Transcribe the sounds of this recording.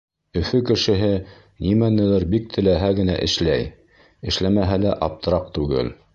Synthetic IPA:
ɵ̆fɵkɘ̆ʃɘ̆ɦɘ | nimænɘ̆læɾbik̚t̪ʰɘ̆læɦæɡɘ̆næ̰ʔɘ̆ʃlæj | ɘ̆ʃlæmæɦælæʔɑp̚t̪ɤ̆ɾɑq̚t̪ʉɡɘ̰l

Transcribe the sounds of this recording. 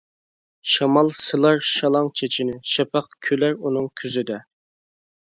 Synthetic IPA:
ʃɑmɑlˠsɨlˠɑɾʃɑlˠɑŋt͡ʃʰet͡ʃʰinɪʃɛpʰɑqkʲʰølæɾunɨŋkʲʰyzɪd̪ɛ

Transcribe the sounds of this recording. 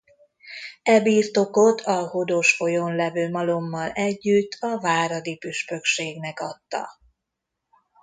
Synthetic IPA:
ɛbiːrt̪o̞kot̪ʰɒhod̪oʃfo̞jo̞nlɛvøːmɒlomːɒlɛɟːyt̪ːɒvaːɾɒd̪ipyʃpø̞kʃeːɡnɛkɒt̪ːɒ̰

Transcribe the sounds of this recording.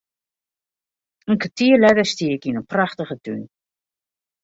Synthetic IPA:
ənkatiːəlɛðəstiːkinənpraχtəχədyn

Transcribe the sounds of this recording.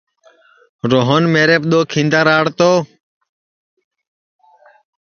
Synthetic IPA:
ɾoːɦənmeːɾeːp̚ɗ̪oːkʰĩːnd̪aːɾaːɽt̪oː

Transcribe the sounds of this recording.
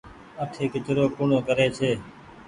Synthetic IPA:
əʈʰeːkɪt͡ʃɾoːkʊːɳõːkəɾeːt͡ʃʰeː

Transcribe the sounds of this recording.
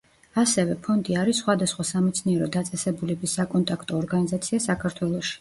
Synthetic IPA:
asɛvɛpʰɔnd̪iaɾisːχwad̪asχwasamɛt̪sʰniɛɾɔd̪at̪sʼɛsɛbulɛbisːakʼɔnt̪ʼakʰt̪ʼɔːɾɡanizat̪sʰiasakʰaɾt̪ʰwɛlˠɔʃi̥

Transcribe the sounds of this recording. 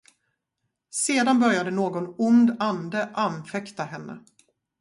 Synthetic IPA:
seːd̪anbœɾjad̪ənoːɡɔnʊnd̪and̪əʔanfɛkt̪ahɛnːʔə̰

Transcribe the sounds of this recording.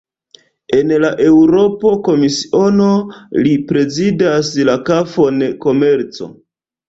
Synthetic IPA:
e̞nlaʔe̞wɾo̞po̞ko̞misi̥o̞no̞lipɾe̞zidaslakafo̞nko̞me̞ɾt͡so̞̰

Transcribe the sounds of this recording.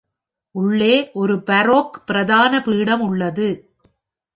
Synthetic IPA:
ʔʊɭːeːʔɔɾɯpɐɾoːkpɪɾɐðaːnɐpiːɽɐmʊɭːɐðɯ

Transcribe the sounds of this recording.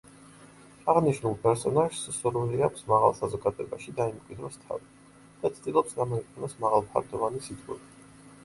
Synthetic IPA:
aʁniʃnulˠpʼɛɾsɔnaʒssuɾwiliakʷʰsmaʁa̰lˠsazɔɡad̪ɛbaʃid̪aimkʼwid̪ɾɔst̪ʰa̰vi | d̪̥at̪sʰd̪ilˠɔpsd̪amɔiqʼɛnɔsmaʁalˠpʰa̰ɾd̪ɔvanisit̪ʼqʼɛ̰bi

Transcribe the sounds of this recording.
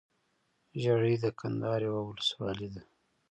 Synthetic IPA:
ʒaɽid̪əkʰand̪ɑɾewawʊləswɑlid̪a

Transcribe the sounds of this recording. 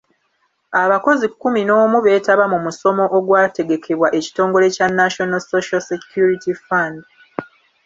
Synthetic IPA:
aβako̞zikːumino̞ːmuβe̞ːtaβamumuso̞mo̞ʔoɡwaːte̞ɡe̞kʰe̞βwaʔe̞ci̥to̞ːŋɡo̞le̞canːaʃo̞nalsoʃalsekjuɾitifand

